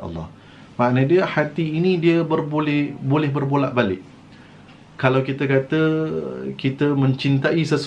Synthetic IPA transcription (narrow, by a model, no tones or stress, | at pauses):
ɑ̰lːɑ̰h | mãʔnadiəhat̪iːnĩdiəbərbolɪhbolɛhbərbolaʔbalɪʔ | kalawkit̪əkat̪ə | kit̪əmə̃ɲt͡ʃint̪aʔisəs